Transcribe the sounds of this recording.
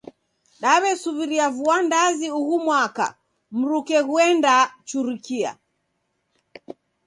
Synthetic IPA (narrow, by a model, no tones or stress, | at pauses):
ɗaβɛsuviɾiavuandaziuɣumwaka̰ | m̩ɾukɛɣuɛndat͡ʃuɾikia̰